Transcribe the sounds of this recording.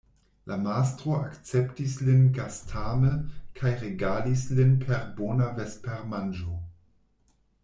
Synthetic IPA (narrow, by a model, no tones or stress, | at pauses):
lʔamastɾoakt͡septislinɡastʰaməkʰajɾeɡadislinpʰeɾbonavespeɾmand͡ʒo